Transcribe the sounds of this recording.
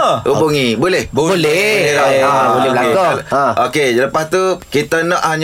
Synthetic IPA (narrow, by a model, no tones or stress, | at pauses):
ubuŋibolɛhbobolɛolɛbolɛblaeãokeləpast̪ukit̪ənɔ̃ʔhaɲ